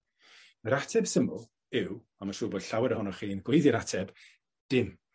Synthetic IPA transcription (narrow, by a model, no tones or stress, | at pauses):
məɾatʰɛb̥səmʊlˠ | ɪw | amaʃuːboːd̥ɬawɛɾəhʊnɔχiːnɡwejðɪɾatʰɛb̥ | d̥ɪm